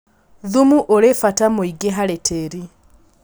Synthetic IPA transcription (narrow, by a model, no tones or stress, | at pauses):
ðumuʔoɾefatamoiɡeɦaɾetʰeɾi